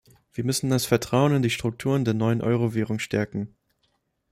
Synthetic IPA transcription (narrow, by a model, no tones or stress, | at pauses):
v̥iːɐmʏsn̩dasfɛɐtʁ̥aʊənɪndiːʃtʁ̥ʊk̚tʰuːʁəndeːɐnɔʏənʔɔʏʁoveːʁ̞ʊŋʃtʰɛɐkŋ̩